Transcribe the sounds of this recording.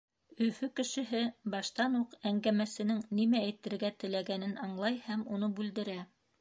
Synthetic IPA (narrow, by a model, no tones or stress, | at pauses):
ɵ̆fɵkɘ̆ʃɘ̆ɦɘbɑʃt̪ɑnuqæŋɡæmæsɘ̆nɘŋnimæːjt̪ɘ̆ɾɡæt̪ɘ̆læɡænɘnɑɴlˠɑjhæmunɤbʉld̪ɘ̆ɾæ